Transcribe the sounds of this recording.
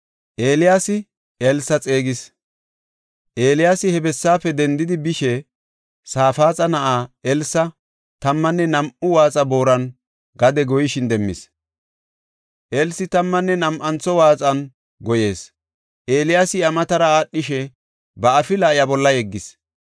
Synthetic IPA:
ʔeːlɪjaːsɪ | ɛlsːɐt͡sʼe̞ːɡɪs | ʔe̞ːlɪjaːsɪhɛbɛsːaːfɛd̪ɛnd̪ɪd̪ɪbɪʃɛ | saːfaːt͡sʼɐnɐʔaːɛlsɐ | t̪ɐmːɐnːɛnɐmʔʊwaːt͡sʼɐbo̞ːɾɐn | ɡɐd̪ɛɡɔjɪʃɪnd̪ɛmːɪ̰s | ʔelsɪt̪ɐmːɐnːɛnɐmʔɐnt͡sɔwaːt͡sʼɐn | ɡɔje̞ːs | ʔe̞ːlɪjaːsɪɐmɐt̪ɐɾɐaːɗːɪʃɛ | bɐːfɪlaːɪjɐbɔlːɐjɛɡːɪs

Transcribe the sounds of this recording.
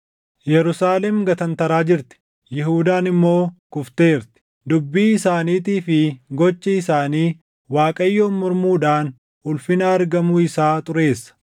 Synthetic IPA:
jɛɾʊsaːlɛmɡɐt̪ɐnt̪ɐɾaːd͡ʒɪɾt̪ɪ̥ | jɛɦuːd̪aːnɪmːo̞ːkʊft̪e̞ːɾt̪ɪ̥ | d̪ʊbːiːɪsaːniːt̪iːfɪɡɔt͡ʃːɐɪsaːniː | waːkʼɐjːoːnmʊɾmuːᶑaːn | ʊlfɪnɐːɾɡɐmuːɪsaːt̪ʼʊɾe̞ːsːɐ̥

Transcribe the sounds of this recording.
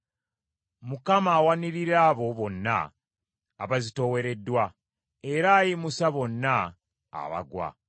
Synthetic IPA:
mukamaːwaniɾiɾaːβo̞βo̞nːa̰ː | βazito̞we̞ɾe̞dwa | e̞ɾaːjimusaβo̞nːa̰ː | βa̰ɡwa̰

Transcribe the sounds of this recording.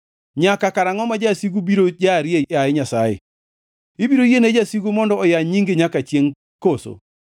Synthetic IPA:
ɲakakaɾaŋɔmad͡ʒasiɡubiɾod͡ʒaɾjeaeɲasajḛ | ibiɾojened͡ʒasiɡumɔndɔɔjaɲiŋɡeɲakat͡ʃjeŋ | koso̰

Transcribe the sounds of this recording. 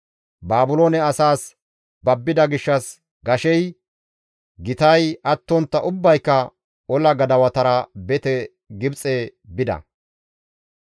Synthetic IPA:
baːbʊloːnɛɐsaːs | bɐbːɪd̪ɐɡɪʃːɐs | ɡɐʃɛj | ɡɪt̪ɐjɐt̪ːɔnt̪ːɐʔʊbːɐjkːɐ | ɔlɐɡɐd̪ɐwɐt̪ɐɾɐbɛt̪ɛ | ɡɪbt͡sʼɛbɪd̪ɐ̰

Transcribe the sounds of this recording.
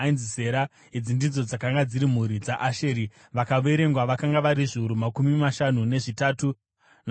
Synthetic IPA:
nzise̞ɾa | id͡zindid͡zo̞d͡zakaŋɡad͡ziɾim̤uɾid͡zaʔaʃeːɾi | ʋakaʋe̞ɾe̞ŋɡwaʋakaŋɡaʋaɾiʐiuɾumakumimaʃanune̞ʐitaːtu | n

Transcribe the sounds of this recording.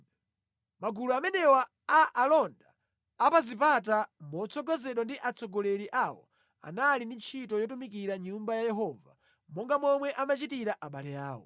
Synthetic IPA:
maɡuluamɛnɛwaː | ʔalɔndaː | pazip̬at̬amɔt͡sʰɔɡɔzɛɗɔndiʔat͡sɔɡɔlɛɾiʔawɔ̰ | a̰nalindint͡ʃʰitɔjɔtumik̬iɾaɲumbajajɛɦɔva̰ | mɔŋɡamɔmwɛʔamat͡ʃitiɾaʔaɓalɛja̰ːwɔ̰

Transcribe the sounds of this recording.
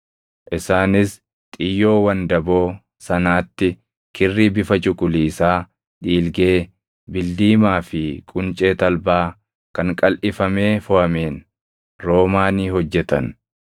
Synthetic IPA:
ʔɪsaːnɪs | t̪ʼɪjːo̞ːwɐnd̪ɐbo̞ː | sɐnaːt̪ːɪ | kʰɪrːiːbɪfɐt͡ʃʼʊkʼʊliːsaː | ᶑiːlɡe̞ː | bɪld̪iːmaːfɪkʼʊnt͡ʃʼe̞ːt̪ɐlbaː | kɐŋkʼɐlʔɪfɐme̞ːfʊhɐmeːn | ɾo̞ːmaːniːɦɔd͡ʒːɛt̪ɐ̰n

